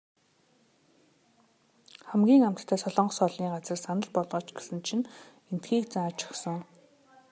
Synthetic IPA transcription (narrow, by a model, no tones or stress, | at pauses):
χæmɡʲiːŋam̥t̪t̪ʰːæːsɔɮɞ̆ɴɢɞ̆sɔɮiːŋɢat͡sə̆rsanə̆ɮpɔɮʁɞ̆ːt͡ɕɡesɘ̆nt͡ɕʰĭn | en̥t̪xiːk̚t͡saːt͡ɕʰḁχsɞ̆ŋ